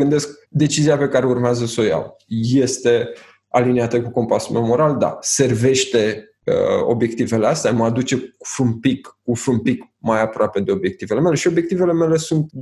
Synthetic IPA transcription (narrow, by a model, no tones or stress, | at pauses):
ɡɨnd̪e̞sk̚d̪e̞t͡ʃiziape̞kaɾe̞urmeazəsoja̰wje̞st̪e̞ | a̰lineat̪əkuko̞mpasumemo̞ɾald̪a̰se̞rve̞ʃt̪e̞ | ə̰o̞̰bje̞k̚t̪ive̞least̪eaməad̪ut͡ʃe̞u̥fɾumpikːufɨmpik | majapɾoape̞d̪e̞o̞bje̞kt̪ive̞le̞me̞leʃio̞bje̞k̚t̪ive̞le̞me̞le̞sunt̪̚